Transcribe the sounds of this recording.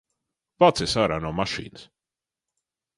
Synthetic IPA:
vat̪sɛsaɾanɔmaʃḭːns

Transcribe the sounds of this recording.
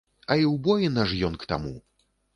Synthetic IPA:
ɐiwbɔjinaʐjɔnkt̪a̰mṵ

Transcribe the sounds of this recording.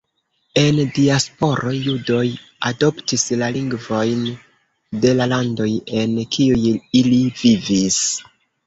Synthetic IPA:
e̞ndiaspo̞ɾo̞judo̞j | ado̞ptislaliŋɡvo̞jn | de̞lalando̞je̞nkʰiujilivivis

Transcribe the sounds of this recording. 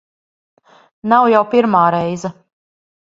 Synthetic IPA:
nawjawpiɾmaːɾɛjza

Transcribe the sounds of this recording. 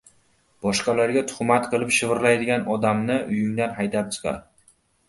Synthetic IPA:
b̥ɒʃqɑlaɾɡʲat̪ʰʊ̥χmat̪qʰɨlˠɪpʃɪvɪɾlajd̪ɪɡʲanɒd̪amnɪʔʊjɪŋd̪anɦajt̪ap̚t͡ʃʰɨ̥qʰɑ̰ɾ

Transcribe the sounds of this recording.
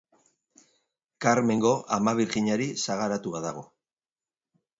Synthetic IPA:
kaɾme̞ŋɡo̞ʔamaβiɾɣiɲaɾisaɣ̞aɾat̪uaðaɣo̞

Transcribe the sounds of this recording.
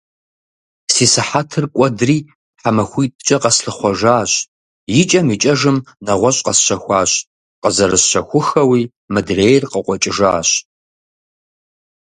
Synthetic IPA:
siːsɨħatʰɨrkʷʼɔdriː | ħamɐxʷiːtʼt͡ʃʼɐqɐsɬɨχʷɔʒaːɕ | jɪt͡ʃʼɐmit͡ʃʼɐʒɨmnɐʁʷɔɕʼqɐsɕɐxʷɑːɕ | qəzɐɾɨsɕɐxʷʊxɐwiː | mɨdreːjrqəqʷʼɔt͡ʃʼɪʒaːɕ

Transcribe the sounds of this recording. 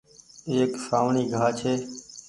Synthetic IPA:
eːksaːʋɳiːɡʱaːt͡ʃʰeː

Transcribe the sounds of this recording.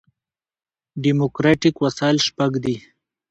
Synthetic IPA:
ɖimokɾaʈikwasalʃpaɡd̪i

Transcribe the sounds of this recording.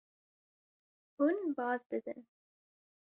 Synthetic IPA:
hunbɑːzd̪ɨd̪ɨ̰n

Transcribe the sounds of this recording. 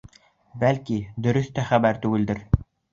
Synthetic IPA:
bælkid̪ɵ̆ɾɵθt̪æχæbæɾt̪ʉɡɘ̆ld̪ɘɾ

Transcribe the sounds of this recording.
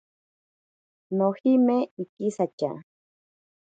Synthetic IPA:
nohimeikisat͡ʃa̰

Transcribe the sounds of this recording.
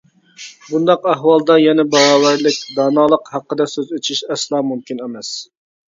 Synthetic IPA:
bund̪ɑqæɦwɑlˠd̪ɑjɛnɛbɑʁɑːwæɾlɪk̚ʲd̪ɑːnɑːlˠəqhɑqːəd̪ɑsøzøt͡ʃʰiʃɛslˠɑːmumkʲinemɛs

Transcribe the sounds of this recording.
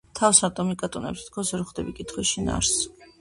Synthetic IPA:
t̪ʰafsat̪ʼɔmikʼat̪ʼunɛ̰pst̪ʰi̥t̪̚ʰkʰɔsɾχd̪ɛbikʼit̪ʰχwɛʃina̰ɾs

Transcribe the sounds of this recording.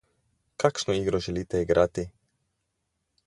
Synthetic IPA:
kakʃnoiɡɾoʒelit̪ɛiɡɾʔat̪i

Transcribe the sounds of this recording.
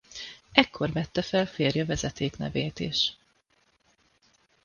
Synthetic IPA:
ɛkːo̞rvɛt̪ːɛfɛlfeːrjɒvɛzɛt̪eːknɛ̰veːt̪ḭʃ

